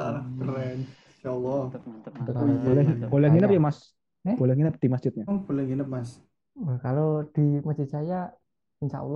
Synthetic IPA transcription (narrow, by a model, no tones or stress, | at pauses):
aɾɾɛn | aɔlːɔ | kbolɛbolɛhŋinəp̚jamas | b̥olɛhŋinəp̚d̪̥imasd͡ʒ̥ɪt̪̚ɲab̥olɛhŋinəp̚mas | wəkalod̪̥iməd͡ʒ̥isaja | inʃa̰ʔlː